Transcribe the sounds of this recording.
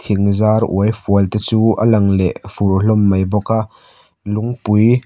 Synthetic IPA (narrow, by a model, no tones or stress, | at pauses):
t̪ʰiŋzaːrʔṵəjfuəlt̪ɛt͡suːʔəlɐŋlɛʔfurɬɔmːɐjbɔkaʔ | luŋpuj